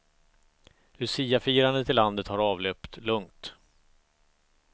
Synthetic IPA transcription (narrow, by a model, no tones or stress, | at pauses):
lɵsiːafiːɾand̪ət̪ʰɪlːand̪ət̪haɾɑːvlœːpt̪lɵŋt̪